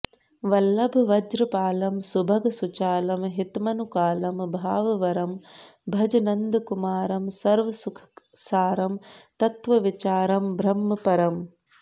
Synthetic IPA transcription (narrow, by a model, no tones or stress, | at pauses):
ʋɐlːɐbʱʋɐd͡ʒɾɨpaːlɐmsubʱɐɡsut͡ʃaːlɐmɦit̪mɐnukaːlɐmbʱaːʋɐʋɐɾɐm | bʱɐd͡ʒɐnɐnd̪kumaːɾɐmsɐɾʋɐsukʰsaːɾɐmt̪ɐt̪ʋɐʋit͡ʃaːɾɐmbʱɾɐmːɐpɐɾɐm